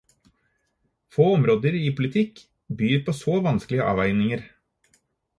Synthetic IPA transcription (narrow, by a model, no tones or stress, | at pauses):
foːɔmɾoːd̪əɾipʰʊlɪt̪ʰɪkː | byːɾpʰoːsoːʋɑnsklɪəʔɑ̰ːʋæɪnɪŋəɾ